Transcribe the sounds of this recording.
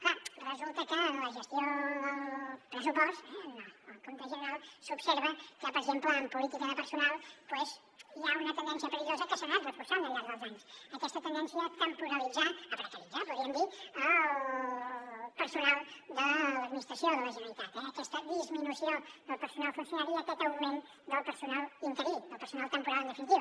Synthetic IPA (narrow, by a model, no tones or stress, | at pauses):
karəzulˠt̪əkələʒəst̪joðəpɾəsupɔst̪ɛnoəlˠkont̪əzənalˠsupseɾβəkəpəɾɡzempləːmpulit̪ikəðəpəɾsunalˠpwɛz | jaunət̪ənd̪ɛnsiəpəliʒozəkəsonalˠt̪rəfuɾsamənd̪əzðəlˠzansəkɛst̪ət̪ənd̪ɛnsiət̪əmpuɾəlid͡zaəp̪ɾət̪əɾid͡zapuɾiəmd̪iə | pəɾsunalˠd̪ələd̪̚minist̪ɾəsioðələʒənəɾit̪at̪ɛəkɛst̪əd̪izminusioðəlˠpəɾsunalˠfunsjunaɾiət̪ot̪əlˠmumen | d̪əlˠpəɾsunalˠint̪əɾid̪əlˠpəɾsunalˠt̪əmpuɾalənd̪əfinit̪iw